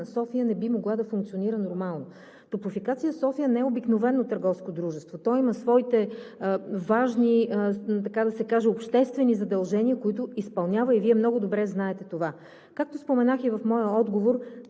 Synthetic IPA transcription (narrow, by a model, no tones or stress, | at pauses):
nɐsɔfijənɛbimoɡlˠad̪ɐfuŋkt̪sioniɾənoɾmalˠno | t̪ɾʊpʊfikat̪sijəsɔfijənɛɛobiknovɛnːot̪əɾɡɔfskod̪ɾuʒɛst̪vot̪ɔimɐsvɔit̪ɛ | vaʒnit̪ɐkad̪ɐsɛkaʒɛopʃt̪ɛst̪vɛnizɐd̪ɐlˠʒɛniəkoit̪ʊispɐlˠnʲavəiviɛmnɔɡʊd̪obɾɛznaɛt̪ɛt̪ova | kak̚t̪ospomɛnaxivɐfmɔjəɔd̪ɡovoɾ